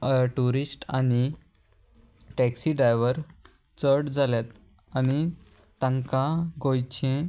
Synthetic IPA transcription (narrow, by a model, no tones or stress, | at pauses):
ʈuɾisʈani | ʈɛksiɖɾajʋəɾ | t͡səɽd͡zaljat̪ | añi | t̪ə̃ŋkaɡojt͡ɕẽ